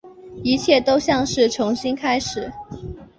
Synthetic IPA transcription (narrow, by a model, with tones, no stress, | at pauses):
i˧˥t͡ɕʰjɛ˥˩t̪o˥ʊɕjɑ˥˧ŋʂɻ̩˥˩ʈ͡ʂʰʊ˧˥ŋɕi˥nkʰa˥ɪʂɻ̩˨˩˦